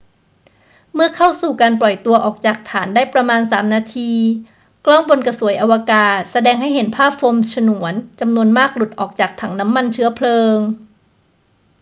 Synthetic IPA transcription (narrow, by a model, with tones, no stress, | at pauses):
mɯ˥˩ɐkʰa˥˩wsuː˨˩kaː˧nplɔ˨˩jt̪u˧ɐʔɔː˨˩k̚t͡ɕaː˨˩k̚t̪ʰaː˩˦ndaː˥˩jpɾa˧maː˧nsaː˩˦mnaː˧t̪ʰiː˧ | klɔː˥˩ŋbo˧nka˧su˨˩˦əjʔa˧wa˧kaː˨˩t̪̚sa˧dɛː˧ŋɦa˥˩jɦe˩˦npʰaː˥˩p̚foː˧msʰa˧nu˩˦ənt͡ɕa˧mnu˧ənmaː˥˩k̚lu˨˩t̪̚ʔɔː˨˩k̚t͡ɕaː˨˩k̚t̪ʰa˩˦ŋna˦˥mːa˧nt͡ɕʰɯ˦˥ɐpʰlɤː˧ŋ